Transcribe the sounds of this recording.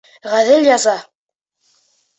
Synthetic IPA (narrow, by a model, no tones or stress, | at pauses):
ʁæðɘljɑzɑ